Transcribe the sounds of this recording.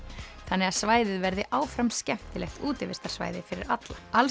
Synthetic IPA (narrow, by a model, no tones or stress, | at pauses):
θanːɛɣaðsvaːjðɪðvɛɾðɪʔaːwfɾamscɛm̥t̪ɪlɛxt̪uːt̪ɪvɪst̪aɾ̥sva̰ːjðɪfɪɾɪ̰ɾat̪laal